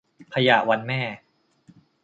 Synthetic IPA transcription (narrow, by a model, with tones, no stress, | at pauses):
pʰa˧ja̰ː˨˩wa˧nmɛː˥˩